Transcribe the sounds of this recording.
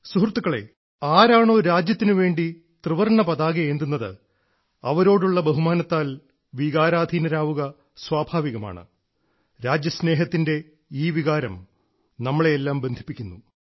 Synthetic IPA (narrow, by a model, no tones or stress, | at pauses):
suɦrt̪ːukːɐɭe̞̰ | aːɾaːɳoːɾaːd͡ʑjɐt̪ːinɨʋe̞ːɳɖi | t̪rɨʋɐrɳɐpɐðaːɡɐeːnd̪unːɐðɨ̰ | ɐʋɐɾo̞ːɽuɭːɐbɐɦumaːnɐt̪ːaːl | ʋiɣaːɾaːd̪ʱinɐɾaːʋuɣɐ | swaːbʱaːʋiɣɐma̰ːɳɨ̰ | ɾaːd͡ʑjɐsne̞ːɦɐt̪ːinde̞ | iːʋiɣaːɾɐm | nɐmːɐɭeelːaːmbe̞nd̪ʱi̥pːikʲːunːu